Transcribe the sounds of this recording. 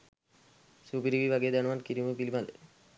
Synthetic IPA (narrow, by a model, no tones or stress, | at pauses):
subiɾibibʱaɡed̪anmankiɾimepilimalḛ